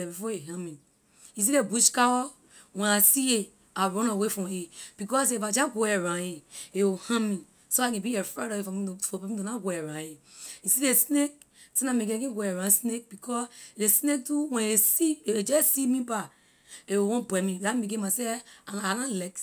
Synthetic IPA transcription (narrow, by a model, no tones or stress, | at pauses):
ebifɔeɦãmĩ | is̬idebuʃkawɔ | wɛ̃nasie | aɾɔ̃nawefɔ̃eb̥ikɔsevad͡ʒaɡoeɾãjeewohãmĩ | soakẽbiɛfɛɾɔvefɔ̃fɔpimĩdonaɡoeɾãeisidesnek̚ | sãnãmekẽkẽɡʷoeɾãsnek̚bikʰɔsdesnek̚tuwɛ̃esid͡ʒɛsimĩba | eowɔ̃bwɛmĩdameɡ̬emaseaanalɛks